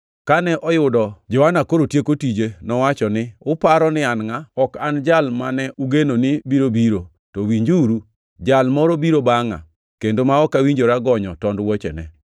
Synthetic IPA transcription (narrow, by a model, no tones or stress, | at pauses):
kanɛʔɔjʊdɔd͡ʒɔanakoɾotjekotid͡ʒenɔwat͡ʃɔnɪʊpaɾɔnɪanŋaɔkand͡ʒalmanɛʔuɡenonɪbiɾobiɾo | towiɲd͡ʒuɾu | d͡ʒalmɔɾɔbiɾobaŋa̰ | kendomaɔkawiɲd͡ʒoɾaɡɔɲɔ̰tɔndwot͡ʃḛnɛ̰